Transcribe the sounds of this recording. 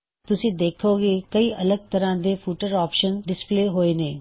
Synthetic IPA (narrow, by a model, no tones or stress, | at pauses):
t̪ʊsĩːd̪eːkʰoːɡeːkəiːʔɐləɡ̚t̪əɾãːd̪efʰuːʈəɾɔːpʃənɖɪspleːɦoːeneː